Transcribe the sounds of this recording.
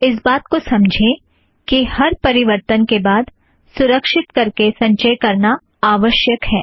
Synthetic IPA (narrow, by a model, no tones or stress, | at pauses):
ɪs̬baːt̪kosɐ̃md͡ʒʱẽ | kihɐɾpɐɾɪʋəɾt̪ənkebaːd̪ | sʊɾəkʃɪt̪kɐɾkesɐ̃ɲt͡ʃəjkɐɾna | aːʋəʃjəkɦɛː